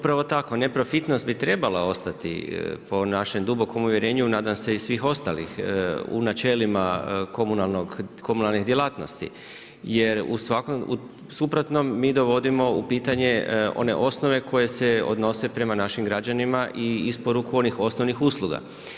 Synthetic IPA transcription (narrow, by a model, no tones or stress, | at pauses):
upɾaʋo̞t̪ako̞ne̞pɾo̞fit̪nost̪bit̪ɾe̞balao̞st̪at̪ḭpo̞naʃe̞md̪ubo̞ko̞muʋje̞ɾe̞ːɲunaːd̪amse̞isʋiːxo̞st̪alḭxṵnat͡ʃe̞ːlimako̞munalˠnoɡko̞munalˠnid̪jelˠat̪no̞̰st̪ḭ | je̞ɾṵsʋakoṵ | supɾot̪no̞mːiːd̪o̞ʋo̞d̪imo̞upiːt̪aɲe̞o̰ne̞̰ʔo̞sno̞ʋe̞kʰo̞je̞se̞o̞̰d̪no̞se̞pɾe̞manaʃimɡɾad͡ʑanimaʔiispo̞ɾukuo̞nixo̞snoʋnixuslˠuɡa̰